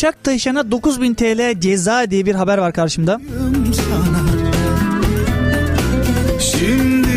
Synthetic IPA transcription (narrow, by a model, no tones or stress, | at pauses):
ʃak̚d̪ʰaʃanad̪o̞kuzbint̪ʰeːlʲeɛd͡ʒezaːed̪ijbiɾɦabæɾvaɾkʰaɾʃɯmd̪a | niʃanaa | ʃimd̪ɪ